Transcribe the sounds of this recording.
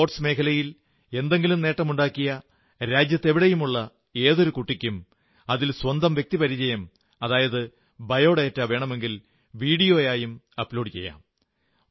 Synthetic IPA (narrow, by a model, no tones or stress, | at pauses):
oʈsme̞ːkʰɐlɐjil | e̞nd̪e̞ŋɡilumne̞ːʈːɐmuɳɖaːkːijɐ | ɾaːd͡ʑjɐt̪ːe̞ʋiɽejumuɭːɐ | e̞ːðo̞ɾukuʈːikʲːum | ɐðilswɐnd̪ɐmʋjek̚t̪ipɐɾid͡ʑɐjɐm | ɐðaːjɐðɨ | bʱɐjo̞ːɽeɐtːaːʋe̞ːɳɐme̞ŋɡil | ʋiːɽijo̞ːjaːjum | ɐpːlo̞ːɖɨt͡ɕe̞̰jːa̰ːm